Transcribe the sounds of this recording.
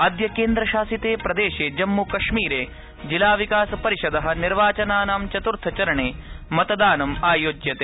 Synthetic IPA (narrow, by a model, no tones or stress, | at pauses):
ɐd̪jɐkeːnd̪ɾɐʃaːsit̪eːpɾɐd̪eːʃeːd͡ʒɐmːukɐʃmiːɾeː | d͡ʒilaːʋikaːsɐpɐɾiʃɐd̪ɐɦɐ̆niɾʋaːt͡ʃɐnaːnaːmt͡ʃɐt̪uɾt̪ʰɐt͡ʃɐɾɐɳeːmɐt̪ɐd̪aːnɐmaːjoːɡjɐt̪eː